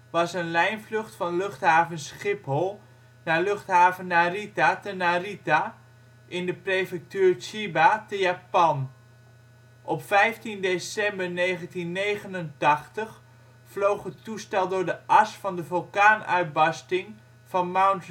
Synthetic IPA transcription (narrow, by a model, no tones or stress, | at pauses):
ʋɑsənlɛjnvlɵχtfɑnlɵχtɦaːvənsχɪpɦɔlˠ | naːɹlɵχtɦaːvənːaritatənarita | ʔɪndəprejfɛk̚tyːɹt͡ʃibatəjaːpɑn | ʔɔpfɛjftindesɛmbəɹnejχəntinːejχənəntɑχtəχ | flowχətustɛlˠdʊɹdəʔɑsfɑndəvølˠkaːnœ̰ɥt̚bɑstɪŋ | fɑnmawnt